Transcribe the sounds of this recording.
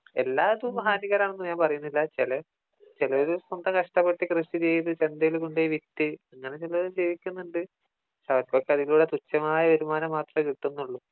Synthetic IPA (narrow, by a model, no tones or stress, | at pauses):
e̞̰lːaːðuɦaːniɣɐɾaːɳenːumɲaːmpɐrɐjunːilːɐt͡ɕelɐ | t͡ɕilɐoɾuso̞nd̪ɐmkɐʂʈɐpːeʈːikrɨʂit͡ɕejðɨt͡ɕe̞nd̪ɐjilkuɳɖejiʋit̪ːɨɐŋːɐne̞t͡ɕilɐoɾud͡ʑiːʋikʲːunːuɳɖɨ | sɐʋɐkːokːeɐðiluːɽet̪ut͡ɕːɐmaːjɐʋeɾumaːnɐmːaːt̪rɐmkiʈːunːuɭːu